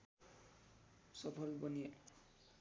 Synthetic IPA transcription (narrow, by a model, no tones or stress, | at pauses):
sʌpʰʌlbʌnie